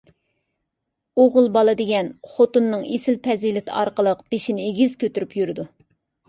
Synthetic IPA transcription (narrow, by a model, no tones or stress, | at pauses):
oʁʊlˠbɑlˠɨd̪ɪɡʲɛnχot̪unːɨŋesɪlpʰɛzilɪt̪ʰɪɑɾqəlˠəqb̥eʃinɪeɡʲiz̥kʲøt̪yɾypjyɾɪd̪u